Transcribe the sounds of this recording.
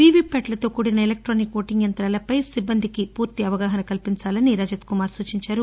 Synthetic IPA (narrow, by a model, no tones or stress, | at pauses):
ʋiːʋiːpeʈlɐt̪o̞ːkuːɽinɐelek̚ʈɾoːnikʋoːʈiŋɡjɐnt̪ɾaːlɐpɐjsibːɐnd̪ʱikipuːɾt̪iɐʋɐɡaːɦɐnɐkɐlpiɲt͡ʃaːlɐniɾɐd͡ʒɐt̪kumaːɾsuːt͡ʃiɲt͡ʃaːɾu